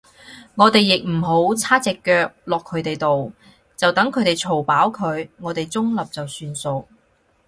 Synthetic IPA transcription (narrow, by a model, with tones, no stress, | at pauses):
ŋɔː˨˧t̪e˨jːɪ˨k̚m̩˨˩ɦo˨˥wt͡sʰaː˥t͡sɛː˨˧kːœː˧k̚lɔː˨kʰːɵ˨˧ɥt̪e˨jt̪o˨w | t͡sɐ˨wt̪ɐ˨˥ŋkʰɵ˨˧ɥt̪e˨˩jt͡sʰo˨˩wpaː˨˥wkʰɵ˨˧ɥŋɔː˨˧t̪e˨jt͡sʊ˥ŋlɐ˨p̚t͡sɐ˨wsyː˧nso˧w